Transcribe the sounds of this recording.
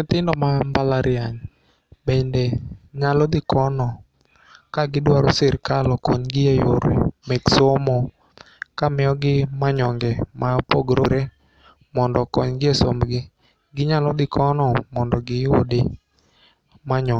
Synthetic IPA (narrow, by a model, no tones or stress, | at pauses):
t̪ɪndɔmambalaɾʔɪaɲ | bendeɲalɔd̪ɪkɔnɔ | kaɡɪdwaɾosɪɾkalɔkɔ̰ɲɡɪejo̰ɾḭmɛksomɔ | kamɪɔɡɪmaɲɔŋɡɛmapoɡɾoɾe | mɔndɔkɔɲɡɪeso̰mɡɪ | ɡɪɲalɔd̪ɪkʰɔnɔmɔndɔɡɪo̰dɪ | maɲɔ